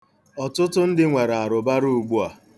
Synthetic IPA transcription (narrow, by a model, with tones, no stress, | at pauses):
ɔ˨tʊ˦tʊ˦n̩˦dɪ˦ŋʷe˨ɾa˨ɾʊ˨ba˦ɾu˦u˨ɡ͡bu˦a˨